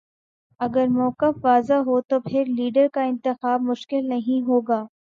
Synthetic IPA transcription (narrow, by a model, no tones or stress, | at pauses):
ɐɡəɾmɔːqəfʋaːzaɦot̪opʰɪɾliːɖəɾkaɪ̃nt̪ɪxaːb̚mʊʃkɪlnɐɦĩɦoːɡaː